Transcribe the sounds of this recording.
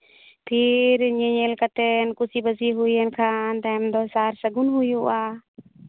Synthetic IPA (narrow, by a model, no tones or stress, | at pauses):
pʰiɾɲɛɲɛlkat̪ɛnkusibəziɦujɛnkʰant̪aɛmd̪ɔsaɾsəɡunɦujuʔa